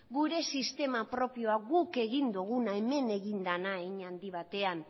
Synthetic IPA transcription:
ɡuɾe̞sist̪e̞mapɾo̞pio̞aɣuke̞ɣ̞ind̪uɣ̞unaeme̞ne̞ɣind̪anaeɲand̪iβ̞at̪e̞an

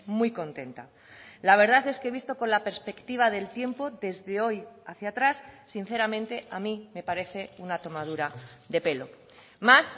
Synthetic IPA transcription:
mujko̞nt̪e̞nt̪a̰ | laβ̞e̞ɾðaθe̞ske̞βist̪o̞ko̞nlapeɾspe̞kt̪iβ̞aðe̞lt̪je̞mpo̞ðe̞zðe̞o̞jaθjat̪ɾasː | in̟θe̞ɾamẽ̞nt̪e̞amĩme̞paɾe̞θe̞unat̪o̞mað̞uɾaðe̞pe̞lo̞ | mas

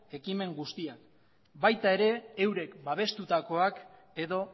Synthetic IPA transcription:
e̞kime̞ŋɡust̪iak | bajt̪ae̞ɾe̞ːwɾe̞kbaβ̞e̞st̪ut̪ako̞ak | e̞ðo̞

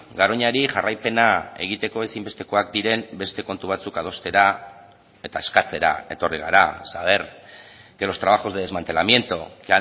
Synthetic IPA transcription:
ɡaɾo̞ɲaɾiʝarajpe̞nae̞̰ɣ̞it̪e̞ko̞e̞simbe̞st̪e̞ko̞ak̚d̪iɾe̞mbe̞st̪e̞ko̞nt̪uβ̞at͡sukað̞o̞st̪e̞ɾa | e̞t̪ae̞skat͡se̞ɾa̰e̞̰t̪o̞riɣa̰ɾasaβe̞ɾke̞lo̞st̪ɾaβ̞axo̞zðee̞zmant̪e̞lamje̞nt̪okea

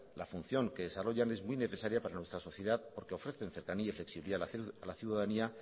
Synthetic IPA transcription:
lafun̟θjo̞ŋke̞ðesaro̞ʝane̞zmujne̞θe̞saɾjapaɾanwe̞st̪ɾaso̞θje̞ðaðpo̞ɾke̞o̞fɾe̞θe̞nθe̞ɾkaniaifle̞ksiβiliðaalaθjuðaðania

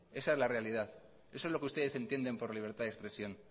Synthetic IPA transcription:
e̞saezlarealið̞aθ | esoezlo̞keust̪e̞ðe̞se̞nt̪je̞nd̪e̞mpo̞ɾliβ̞e̞ɾt̪aðespɾe̞sjo̞n

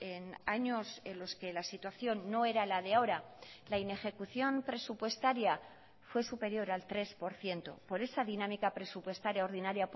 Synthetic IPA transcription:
enaɲo̞se̞nlo̞ske̞lasit̪waθjo̞nːo̞e̞ɾalaðeaoɾalaine̞xe̞kuθjo̞mpɾe̞supwe̞st̪aɾja | fwe̞supe̞ɾjo̞ɾalt̪ɾe̞spo̞ɾθje̞nt̪o̞̰po̞ɾe̞saðinãmikapɾe̞supwe̞st̪aɾjaoɾðinaɾja

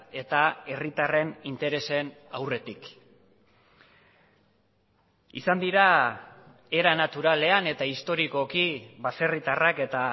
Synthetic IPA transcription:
e̞t̪ae̞rit̪are̞nint̪e̞ɾe̞se̞nawre̞t̪ik | ḭsand̪iɾa | e̞ɾanat̪uɾale̞ane̞t̪aist̪o̞ɾiko̞kiβase̞rit̪arake̞t̪a

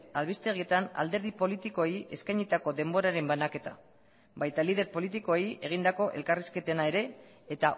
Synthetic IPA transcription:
alβist̪e̞ɣ̞ie̞t̪ana̰ld̪e̞ɾð̞ipo̞lit̪iko̞eiʔe̞skajɲit̪ako̞ðe̞mbo̞ɾaɾe̞mbanake̞t̪a̰ | bajt̪alið̞e̞ɾpo̞lit̪̬iko̞eie̞ɣ̞ind̪ako̞ʔe̞lkariske̞t̪enae̞ɾe̞ː | t̪a

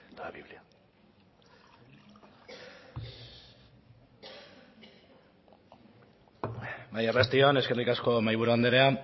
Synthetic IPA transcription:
d̪aβiβlia | bajerast̪io̞ne̞ske̞rikasko̞majβuɾuand̪eɾe̞a

